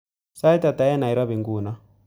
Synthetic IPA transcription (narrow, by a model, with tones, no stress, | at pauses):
sa˦i˦ta˨ta˨˦ɛ˦na˨i˨ɾwa˦βi˨ŋɡu˨na˦